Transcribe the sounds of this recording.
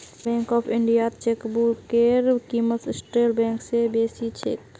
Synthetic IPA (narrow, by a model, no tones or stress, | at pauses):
bɛ̃ːŋkɔːpʰɪɳɖijat̪t͡ʃekbuɾkeɾkimət̪ɪsʈɾeːlbẽːŋksebeːsit͡ʃʰḛk̪